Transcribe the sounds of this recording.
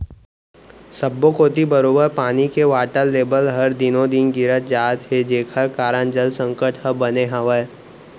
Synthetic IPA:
səbːokoːt̪ibəɾoːbəɾpaːnikeʋaːʈəlːeːbəlɦɐɾd̪ɪnõd̪ɪnɡɪɾət̪̚d͡ʒaːt̪ɦed͡ʒeːkʰəɾkaːɾənd͡ʒəlsə̃ŋkəʈhəbəneɦãːʋə

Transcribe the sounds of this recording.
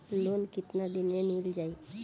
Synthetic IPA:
lonkɪt̪nad̪inenild͡ʒai

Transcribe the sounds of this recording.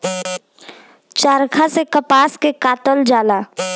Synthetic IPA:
t͡ʃaːɾkʰasekəpaːskekaːt̪əld͡ʒaːlaː

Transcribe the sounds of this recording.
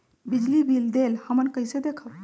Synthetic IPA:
bid͡ʒlibʱild̪elhəmənkəɪsed̪ekʰəb

